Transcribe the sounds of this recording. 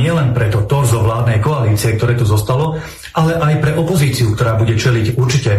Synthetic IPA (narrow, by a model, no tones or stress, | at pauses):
ɪɛlɛnpɾɛt̪ɔt̪ɔɾzɔʋlaːd̪nɛjkɔaliːt͡siɛkt̪ɔɾɛːt̪uzɔst̪alɔ | ʔalɛʔajpɾɛʔɔpɔziːt͡siukt̪ɔɾaːbuɟɛt͡ʃɛliɟuɾt͡ʃicɛ